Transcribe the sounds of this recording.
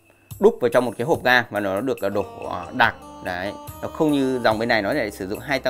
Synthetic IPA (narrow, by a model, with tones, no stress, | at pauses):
ɗʊ˦˥k͡p̚vaː˨˩t͡ɕɔ˧ŋ͡mmo˨˩t̚kaː˨˦ɦo˨˩p̚ɣaː˧vaː˨˩nɔ˨˦ɔ˨˦ɗɨ˨˩ək̚ʔəː˨˩ɗo˧˩˧ɗaː˨˩k̚za˨˦jnɔ˨˦xə˧wŋ͡mɲɨ˧za˨˩wŋ͡mɓe˧nːa˨˩jnɔ˨˦i˧˩˨a̰˧˩sɨ˧˩zʊ̰˧˨ŋ͡mɦaː˧jt̪ə˧